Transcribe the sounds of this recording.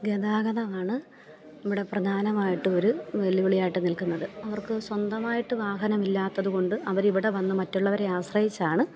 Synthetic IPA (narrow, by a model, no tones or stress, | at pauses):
ɡed̪aːɡɐðɐmaːɳɨ | iʋiɽe̞prɐd̪ʱaːnɐmaːjiʈːɨo̞ɾuʋeɭiʋiɭijaːjiʈːnilkunːɐðɨɐʋɐrkɨswɐnd̪ɐmaːjiʈːɨʋaːɦɐnɐmilːaːt̪ːɐðuɣo̞ɳɖɨʔɐʋɐɾiʋiɽe̞ʋɐnːɨmɐtːuɭːɐʋɐɾeaːsrɐjit͡ɕːaːɳɨ